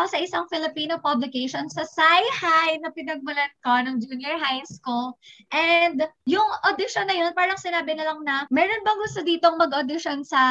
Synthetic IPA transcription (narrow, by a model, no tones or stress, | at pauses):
osɐʔɪsɐŋfɪlɪpiːnopɐblɪkeʃonsɐsajhajnɐpɪnɐɡ̚bʊlɐnkonɐŋd͡ʒuːnjɛɹɦajskulʔɛnd̪jʊŋʔod̪ɪʃonːɐjo̞npaːɾɐŋsɪnaːbɪnɐlɐŋnɐmɛːɾonbɐŋɡʊst̪od̪iːt̪oŋmɐɡʔod̪ɪʃonsɐ